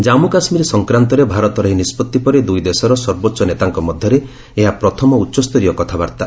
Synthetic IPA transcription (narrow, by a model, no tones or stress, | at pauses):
d͡ʒamukasmiɾesɔŋkɾant̪ɔɾebʱaɾɔt̪ɔɾɔɦinispɔt̪ːipɔɾed̪ujd̪esɔɾɔsɔɾbotːʃɔnet̪aŋkɔmɔd̪ʱjɔɾe | eɦapɾɔt̪ʰɔmɔutːʃɔst̪ɔɾiɔkɔt̪ʰabaɾt̪a